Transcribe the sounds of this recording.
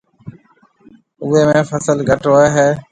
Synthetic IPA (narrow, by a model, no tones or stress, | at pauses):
uːeːmẽːfʰəsəlɡʱəʈɦoːeːɦeː